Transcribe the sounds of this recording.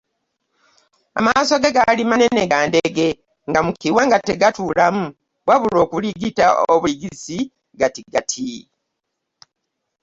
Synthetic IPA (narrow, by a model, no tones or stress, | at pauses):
a̰maso̞ɡeɡalimaneneɡaːndeɡe̞ | ŋɡamukiwaŋɡateɡatuːlamu | waβulo̞ːkuliɡitaoβuiɡizi | ɡatiɡatʰi